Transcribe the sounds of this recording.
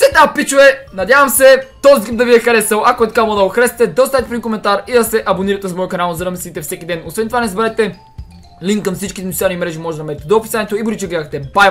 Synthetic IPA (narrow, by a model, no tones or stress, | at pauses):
sɛd̪napit͡ʃʊɛnɐd̪ʲjavɐmsɛt̪ɔzit̪ip̚d̪ɐviɛxɐɾɛsəlˠʔɐkoɛt̪kaməd̪ɐxɾɛsɛ̥t̪ɛd̪ɐost̪aɛt̪ɛpɾʲiikomɛnt̪aɾid̪ɐsɛʔɐboniɾɐt̪ɛzmɔjkɐnalˠzɐɾɐmɛsit̪ɛfsɛkid̪ɛnosvɛnt̪ovanɛzbɛɾaɛt̪ɛ | liŋkːɐmfsit͡ʃkiɛnt̪animɾɛʒimɔʒɛd̪ɐmɛd̪ɛt̪ɛd̪oːpisanɛt̪oibuɾit͡ʃɛɡadxt̪ɛbaj